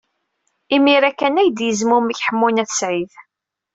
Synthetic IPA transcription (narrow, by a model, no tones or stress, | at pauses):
imiɾækːænæjd̪jəzmumiçħəmːunæθsʕið